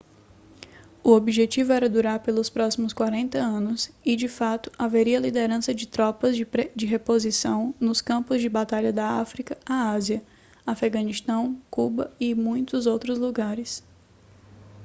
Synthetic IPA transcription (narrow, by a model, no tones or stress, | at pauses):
ʊobiʒet͡ʃivʊɛɾɐd̪uɾaɾpelʊspɾɔsimʊskwaɾẽnt̪ɐɐ̃nʊsɪd͡ʒɪfat̪ʊ̥ʔaveɾiɐlid̪eɾɐ̃sɐd͡ʒɪt̪ɾɔpɐzed͡ʒɪɦepozisɐ̃w̃nʊskɐ̃mpʊzd͡ʒɪbat̪aʎɐd̪ɐafɾikɐaaziɐ | afeɡɐ̃nist̪ɐ̃w̃kubɐɪmũj̃t̪ʊzowt̪ɾʊzluɡaɾɪs